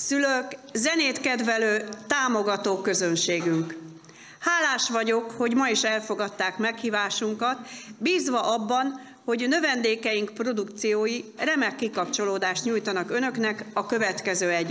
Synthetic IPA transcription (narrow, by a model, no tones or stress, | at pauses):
syløkzɛneːt̪kɛd̪vɛløːt̪aːmo̞ɡɒt̪oːkø̞zønʃeːɡyŋk | haːlaːʃʋɒɟo̞kho̞ɟmɒiʃɛlfo̞ɡɒt̪ːaːkmɛkhiːvaːʃuŋkɒt̪biːzʋɒʔɒbːɒn | ho̞ɟnø̞vɛnd̪eːkɛjiŋkpro̞d̪ukt̪sijoːjirɛmɛkːikɒpt͡ʃo̞loːd̪aːʃt̪ɲujt̪ɒnɒkønø̞knɛkɒkø̞vɛt̪kɛzøːɛɟ